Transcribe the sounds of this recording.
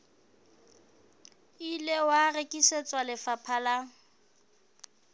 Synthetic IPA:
ilewarekʼiset͡sʼwalɪfapʰala

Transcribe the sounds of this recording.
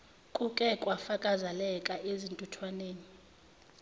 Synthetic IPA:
kʼukʼɛkʼwafakʼazalɛkʼaʔezintʼutʰwaneːni

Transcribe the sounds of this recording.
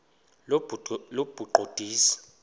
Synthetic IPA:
lob̥ʱuǃʱod̥ʱiːsḁ

